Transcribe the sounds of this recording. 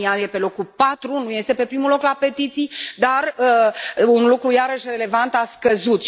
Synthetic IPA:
ijaje̞pe̞lo̞kupat̪ɾunuje̞st̪e̞pe̞pɾimulo̞klape̞t̪it̪sijd̪arəunlukɾujaɾəʃʲre̞le̞vant̪askəzut̪

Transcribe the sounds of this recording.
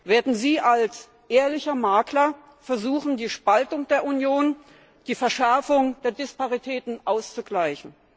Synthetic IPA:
veːɐdn̩ziːʔals | ʔeːɐlɪçɐmaːklɐ | fɛɐzuːxn̩diːʃpaltʊŋd̥eːɐʔunjoːn | d̥iːfɛɐʃɛɐfʊŋd̥eːɐdɪspaʁitʰɛːtn̩ʔaʊst͡suɡlaɪçn̩

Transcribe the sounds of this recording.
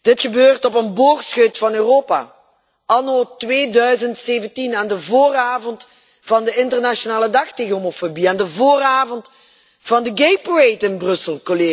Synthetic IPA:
d̥ɪtχəbøːrtɔp̬ənbɔːrtsxøtfɑnøːroːpa̰ː | ʔɑnotʋeːdœɥzəntseːvəntinaːndəvoːraːvɔnt | vɑndəɪntərnaʃonaːlədɑxteːɣənɦomofobiaːndəvoːraːvɔnt | v̥ɑndəɡejpəɹejtɪnbrɵsəlˠkoleː

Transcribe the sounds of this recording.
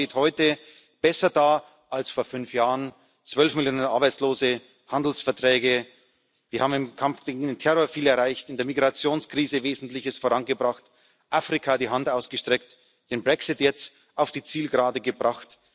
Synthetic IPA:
eːthɔʏtə | b̥ɛsɐdaː | ʔalsfoːɐfʏnfjaːʁən | t͡sv̥œlfmɪljoːnənʔaɐbaɪt͡sloːzə | handl̩sfɛɐtʁ̥ɛːɡə | viːɐhaːbmɪmkʰamfɡ̥eːɡŋ̩deːntʰɛʁoːɐfiːlɐʁaɪçtɪndeːɐmiɡʁat͡sjoːnskʁ̥iːzəveːzn̩tlɪçəsfoːʁanɡəbʁaχt | ʔaːfʁ̥ikʰaːdiːɦantaʊsɡ̥əʃtʁ̥ɛk̚t | d̥eːnbʁɛksɪtjɛt͡st | aʊfd̥iːt͡siːlɡʁaːdəɡəbʁaχt

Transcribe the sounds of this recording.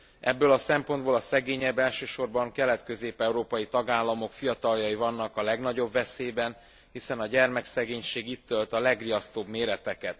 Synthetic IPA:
ʔɛbːøːlɒsɛmpo̞nd̪boːlɒsɛɡeːɲɛbːɛlʃøːʃo̞rbɒŋkɛlɛt̪kø̞zeːpɛuɾoːpɒjit̪ɒɡaːlːɒmo̞kfijɒt̪ɒljɒjivɒnːɒkɒlɛɡnɒɟo̞bvɛseːbɛn | hisɛnɒɟɛrmɛksɛɡeːɲʃeːɡit̪ːølt̪ɒlɛɡrijɒst̪oːbmeːɾɛt̪ɛkɛt̪

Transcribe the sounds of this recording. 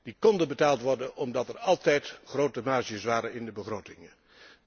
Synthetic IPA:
d̥ikɔndənbətaːlˠtʋɔɹdənɔmdɑtɛrɑlˠtɛjtχrowtəmaːʒiəsʋaːɾənɪndəbəχrowtɪŋə

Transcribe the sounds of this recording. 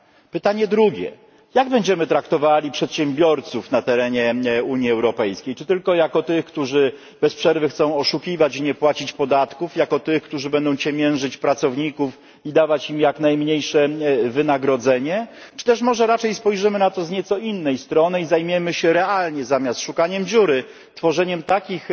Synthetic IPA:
pɘt̪aɲɛd̪ɾuɡʲɛ̰ | jaɡbɛɲd͡ʑɛmɘt̪ɾakt̪ɔvalʲipʂɛt̪ɕɛmbʲjɔɾt̪sufnat̪ɛɾɛɲɛuɲiɛwɾɔpɛjskʲejt͡ʂɘt̪ɘlkɔjakɔt̪ɘxkt̪uʐɘ | bɛspʂɛɾvɘxt̪sɔ̃w̃ɔʂukʲivat͡ɕiɲɛpwat͡ɕit͡ɕpɔd̪at̪kufjakɔt̪ɘxkt̪uʐɘbɛnd̪ɔ̃w̃t͡ɕɛmʲjɛnʐɘt͡ɕpɾat̪sɔvɲikuf | id̪avat͡ɕimjaknajmɲejʂɛvɘnaɡɾɔd̪zɛɲɛt͡ʂɨ̥t̪ɛʂmɔʐɛɾat͡ʂɛjspɔjʐɘmɘnat̪ɔzɲɛt̪sɔinːɛjst̪ɾɔnɘizajmʲjɛmɘɕɛɾɛalɲɛzamʲjast̪ʂukaɲɛmd͡ʑuɾɘ | t̪fɔʐɛɲɛmt̪akʲix

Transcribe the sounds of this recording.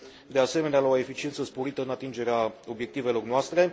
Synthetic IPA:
d̪e̞ase̞me̞nealaoe̞fit͡ʃint̪səspo̞ɾit̪əɨnat̪ind͡ʒe̞ɾeao̞bje̞k̚t̪ive̞lo̞rnoast̪ɾe̞

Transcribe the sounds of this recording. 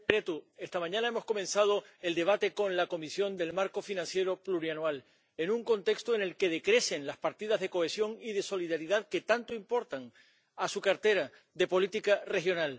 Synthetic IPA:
ɾe̞t̪ue̞st̪amãɲãnaemo̞sko̞mẽ̞nsað̞o̞e̞ld̪e̞β̞at̪ekõ̞nlako̞misjo̞nd̪e̞lmaɾko̞finãnsje̞ɾo̞pluɾjanwal | e̞nũŋko̞nt̪e̞kst̪oene̞lke̞ð̞e̞kɾe̞se̞nlaspaɾt̪iðazðe̞ko̞e̞sjo̞ŋiðe̞so̞liðaɾiðaðke̞t̪ant̪oimpo̞ɾt̪aŋ | asukaɾt̪e̞ɾa | ðe̞po̞lit̪ikare̞xjo̞nal

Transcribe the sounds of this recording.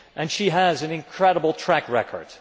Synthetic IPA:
ʔɨ̃nʃiɨzɨ̃nɨ̃nkʰɹ̥ɛɾəbl̩ˠtʰɹ̥ækɹɛ̰kʰə̰ɹd̥

